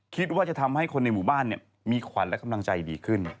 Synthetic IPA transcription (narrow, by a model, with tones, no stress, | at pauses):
kʰi˦˥t̪̚waː˥˩t͡ɕa˨˩t̪ʰa˧mha˥˩jkʰo˧nːa˧jmuː˨˩˦baː˥˩nːi˥˩ɐ | miː˧kʰwa˩˦nlka˧mla˧ŋt͡ɕa˧jdiː˧kʰɯ˥˩n